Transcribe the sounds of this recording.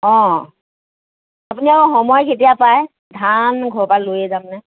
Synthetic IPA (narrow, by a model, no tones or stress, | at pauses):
ɔ̃ | apuniakɔxɔmɔjkʰetijapaj | dʱanɡʱɔɹpalojɛzamnɛ